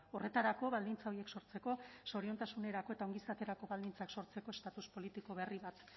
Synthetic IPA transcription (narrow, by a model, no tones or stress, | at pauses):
o̞re̞t̪aɾako̞βald̪int͡saoie̞kso̞ɾt͡se̞ko̞so̞ɾio̞nt̪asune̞ɾako̞e̞t̪aoŋɡisat̪e̞ɾako̞βald̪int͡sakso̞ɾt͡se̞ko̞e̞st̪at̪uspo̞lit̪iko̞βe̞riβat̪